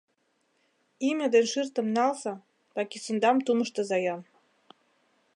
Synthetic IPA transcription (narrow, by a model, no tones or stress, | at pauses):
imʲɘ̆d̪enʃɨrt̪ə̆mnɑlsɑ | tɑkisə̆nd̪ɑmt̪umə̆ʃt̪ɤ̆zɑjɑn